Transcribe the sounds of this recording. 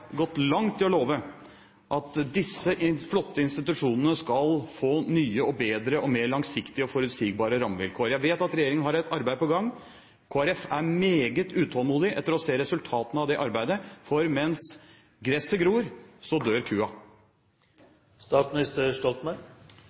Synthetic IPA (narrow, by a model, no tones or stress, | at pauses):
ɡɔt̪ːlɑŋt̪ʰːɪlɔloːʋə | ʔɑt̪d̪ɪsːəʔɪflɔt̪ːəɪnst̪ɪt̪ʉʂuːnənəskɑlfoːnyːəɔbeːd̪ɾəʔɔmeːɭɑŋsɪkt̪ɪəɔfɔɾʉt̪siːɡ̚bɑːɾəɾɑmʋɪ̰lkʰoːɾjæʋeːt̪ɑt̪ɾɛjeːɾɪŋənɦɑɾɛt̪ɑɾbæɪd̪əpɔɡɑŋː | kʰoːæɾɛfæɾmeːɡət̪ʉːt̪ʰɔlˠmuːd̪ɪʔɛ̰t̪ːəɾɔseːɾɛsʉlt̪ʰɑːt̪ənəɑʋd̪ɛʔɑɾbæɪd̪əfɔɾmɛns | ɡɾɛsəɡɾuːɾsɔd̪øːɾkʰʉːɑ | st̪ɑːsmɪnɪst̪əʂɔlt̪mæɪ